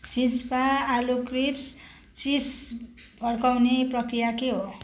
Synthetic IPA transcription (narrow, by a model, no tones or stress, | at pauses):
t͡sit͡sbaːlukrips | t͡sipʰsbʱʌrkawneprʌkrijakeɦo